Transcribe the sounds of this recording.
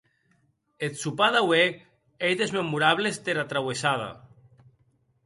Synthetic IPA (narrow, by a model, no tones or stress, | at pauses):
et̪supaðawe | ejðezmemuɾaβlest̪eɾat̪ɾawesaða̰